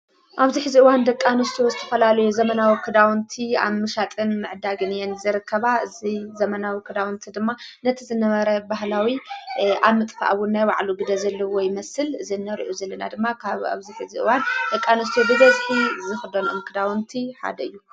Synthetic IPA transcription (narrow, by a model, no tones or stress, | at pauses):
ʔaβziħɨziʔɨwand̪ɐkʼːanɨst̪ʰozɨt̪ʰɐfɐlalɐjuzɐmɐnawɨkʰːɨd̪awnt̪ʰia̰βmɨʃat̪ʼɨnmɨʕd̪aɡɨnɨjenzɨɾɨkʰːɐβaɨzizɐmɐnawɨkʰːɨd̪awɨnt̪ʰid̪ɨmːanɐt̪ʰizɨnɐβɐɾɐbaɦlawiʔaβmɨt̪ʼfa̰ʔawunːajwa̰ʕluɡɨd̪ɐzɐlːɐwɔjmɐsɨlɨzinːɐɾḭʔuzɐlːɐna̰d̪ɨmːakʰaβa̰βziħɨziʔɨ̰wand̪ɐkʼːanɨst̪ʰob̪ɨɡɐzt̪ʰizɨxɨd̪onɨmkʰɨd̪awnt̪ʰiħa̰d̪ɐɨjːu